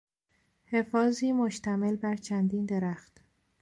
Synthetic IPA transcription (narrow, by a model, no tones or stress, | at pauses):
he̞fɒːziːmoʃt̪ʰæmelbæɾt͡ʃʰænd̪iːnd̪e̞ɾæxt̪